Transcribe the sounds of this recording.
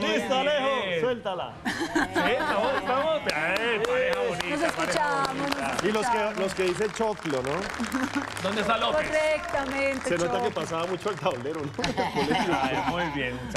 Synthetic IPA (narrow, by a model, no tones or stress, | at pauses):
est̪aleɦoswelt̪ala̰sit͡ʃamoest̪amospeae | inos̬eskut͡ʃamosnoiloskeloskeðis̬et͡ʃoklono | d̪õnd̪est̪alokorek̚t̪amẽnt̪esenot̪akepasaβamut͡ʃoelt̪aoleɾonoakoleot͡ʃmujbjenut͡ʃa